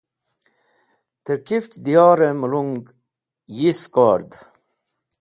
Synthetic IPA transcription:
t̪əɾkiftd̪ijɑːɾemuluŋɡ | jiskaːɾd̪

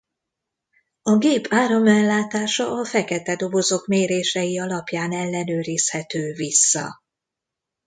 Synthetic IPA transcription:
ɒɡeːpʰaːɾo̞mɛlːaːt̪aːʃɒːfɛkɛt̪ɛd̪o̞bo̞zo̞kmeːɾeːʃɛjiɒlɒpjaːnɛlːɛnøːɾishɛt̪øːvisːɒ̰

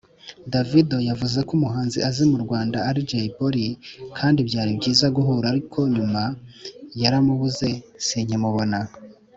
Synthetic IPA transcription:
davidojavuze̞kumuɦaːnziʔazimuɾɡwaːndaːɾid͡ʒeiboɾikʰaːndibɟaːɾibɟiːzaɡuɦuɾaɾikʰo̞ɲumajaɾamuβuze̞ | siɲimuβo̞na

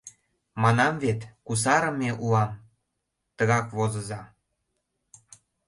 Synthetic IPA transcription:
mɑnɑmvet̪kus̬ɑɾə̆meʔuɑm | t̪əɣɑkβozə̆zɑ

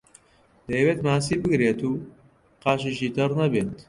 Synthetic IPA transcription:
d̪̥ɐjweːt̪maːsiːbɨɡɾeːt̪uː | qɑːʃiʃiːt̪ʰɐrnɐbeːt̪

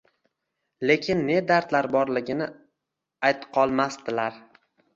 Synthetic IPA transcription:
le̞kʲʰɪnːe̞d̪aɾt̪laɾbɒɾlɪɡʲɪnɪ | ajt̪qʰɒlˠmast̪ɪlaɾ

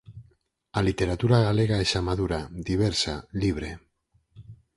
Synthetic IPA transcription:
alit̪e̞ɾat̪uɾaɣale̞ɣ̞aesamaðuɾaðiβ̞eɾsaliβ̞ɾe̞

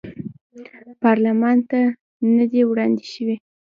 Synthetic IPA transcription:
pɑɾlamɑnt̪a | nəd̪ewɽɑnd̪eʃəwi

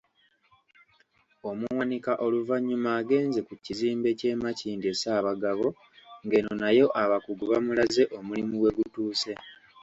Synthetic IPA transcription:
o̞muwanikaʔo̞luvaɲːumaːɡe̞ːnze̞kuciziːmbe̞ce̞ːmaciːndie̞saːβaɡaβo̞ | ŋɡe̞nonajo̞ʔaβakuɡuβamulaze̞ʔo̞mulimuwe̞ɡutuːse̞

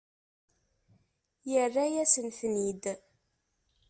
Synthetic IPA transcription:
jərːæjæsənθnid̪

